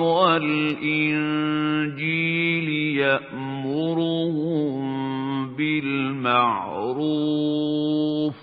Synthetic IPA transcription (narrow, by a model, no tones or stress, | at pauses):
walʔɪnd͡ʒiːljaʔ | mʊɾʊh | bɪlmaʕɾuː | f